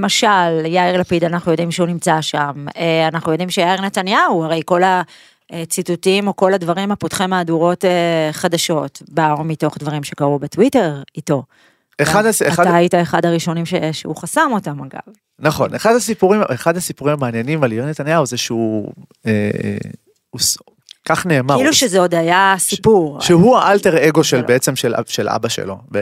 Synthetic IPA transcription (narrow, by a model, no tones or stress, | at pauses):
lemaʃaljaiʁlapidanaχnujo̞dimʃeunimt͡saʃameanaχnujodimʃejaiʁnetanjauaʁe̞jko̞la | et͡situtimo̞ko̞ladvaʁimhapotχimaːduʁo̞teχadaʃo̞tbaamito̞χdvaʁimʃekaʁubetwite̞ʁito̞ | eχadaseaadtaaitae̞χadaʁiʃo̞nimʃeʃḛuχasamo̞tamaɡa̰v | naχo̞̰neχadasipuʁimeχadasipuʁimamaːnjenimalinet̪anjawzeʃeuḛ | us | kaχne̞ːmailuʃezeodaajasipuʁʃeɦuaʔalteʁeɡo̞ʃelbeet͡se̞mʃel̰ʃelʔa̰baʃḛlo̞̰b